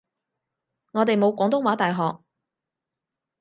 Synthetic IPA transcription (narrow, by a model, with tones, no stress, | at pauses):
ŋɔː˨˧t̪e˨jmo˨˧wkʷɔː˨˧˥ŋt̪ʊ˥ŋwaː˨˥t̪aː˨jɦɔː˨k̚